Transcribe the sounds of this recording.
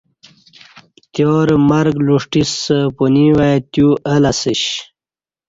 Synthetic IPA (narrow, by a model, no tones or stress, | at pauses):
t̪joːɾmɐɾɡluʂʈisəpuniwajt̪juːʔəlɐsiɕ